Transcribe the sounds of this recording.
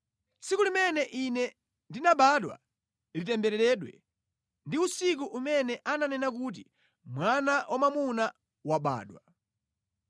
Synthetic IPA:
sikulimɛnɛʔinɛ | ndinaɓaɗwa̰ | litɛmbɛɾɛɾɛɗwɛ̰ | ndiusik̬uʔumɛnɛʔananɛnak̬ut̬i | mwanawʔamamuna | waɓa̰ːɗwa

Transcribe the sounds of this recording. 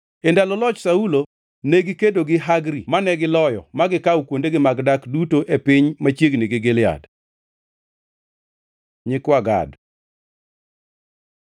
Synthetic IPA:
endalɔlɔt͡ʃsaulo | neɡɪkedoɡɪɦaɡɾimanɛɡɪlɔjɔ̰maɡɪkawkwondeɡɪmaɡdakdutoʔepɪɲmat͡ʃjeɡniɡɪɡɪlja̰d | ɲɪkwaɡa̰d

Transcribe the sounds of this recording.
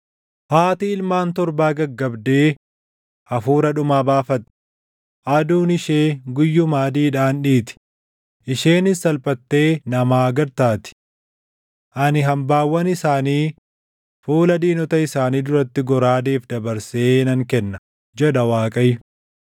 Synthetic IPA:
haːt̪ɪɪlmaːnt̪ɔɾbaːɡɐɡːɐbd̪e̞ː | ʔɐfuːɾɐᶑʊmaːbaːfɐt̪ː | ʔɐd̪uːnɪʃeːɡʊjːʊmaːd̪iːᶑaːnᶑiːt̪ɪ̥ | ʔɪʃeːnɪsːɐlpʼɐt̪ːe̞ːnɐmaːɡɐɾt̪aːt̪ɪ̥ | ʔɐnɪɦɐmbaːwːɐnɪsaːniː | fuːlɐd̪iːnɔt̪ɐɪsaːniːd̪ʊɾɐt̪ːɪɡɔɾaːd̪eːfd̪ɐbɐɾseːnɐŋkɛnːɐ | d͡ʒɛᶑɐwaːkʼɐjʊ

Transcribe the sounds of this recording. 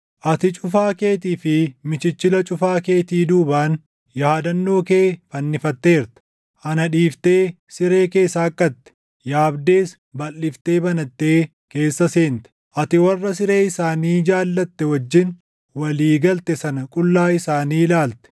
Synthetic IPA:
ʔɐt̪ɪt͡ʃʼʊfaːke̞ːt̪iːfɪmɪt͡ʃɪt͡ʃːɪlɐt͡ʃʼʊfaːke̞ːt̪iːd̪uːbaːn | jɐaːd̪ɐnːoːkeːfɐnːɪfɐt̪ːe̞ːɾt̪ɛ̥ | ʔɐnɐᶑiːft̪e̞ː | sɪɾe̞ːke̞ːsaːkʼːɐt̪ːɛ̥ | jaːbd̪e̞ːs | bɐlːɪft̪e̞ːbɐnɐt̪ːeː | ke̞ːsːɐseːnt̪ɛ̥ | ʔɐt̪ɪwɐrːɐsɪɾe̞ːɪsaːniːd͡ʒaːlːɐt̪ːɛwɐd͡ʒːɪn | wɐliːɡɐlt̪ɛsɐnɐkʼʊlːaːɪsaːniːlaːlt̪ɛ̥

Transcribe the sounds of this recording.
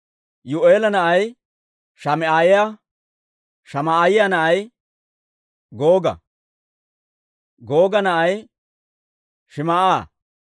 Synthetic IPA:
jʊʔeːlɐnɐʔɐj | ʃɐmɛaːjɪja | ʃɐmɐːjɪjanɐʔɐj | ɡoːɡɐ̰ | ɡo̞ːɡɐnɐʔɐj | ʃɪmɐʔaː

